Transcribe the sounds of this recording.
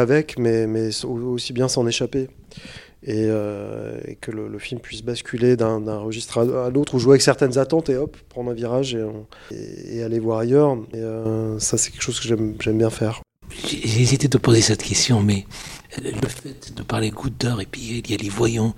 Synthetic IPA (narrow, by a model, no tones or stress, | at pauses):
avɛkmɛmɛsoosibjɛ̃sɑ̃neʃape | eøḛkələləfilmpɥisbaskʲyled̪ɛ̃d̪ɛ̃ʁəʒist̪χaalot̪χuʒuavɛksɛʁt̪ɛnzat̪ɑ̃t̪eɔppχɑ̃d̪ʁɛ̃viʁaʒeɑ̃ | ḛalevwaʁajœʁeøsasɛkʲɛkəʃozkəʒɛmʒɛmbjɛ̃fɛːʁ | ʒʒezit̪ɛd̪əpozesɛt̪kʲɛst̪jɔ̃mɛ | ləfɛt̪d̪əpaʁleɡud̪œʁepɥiiljalevwajɑ̃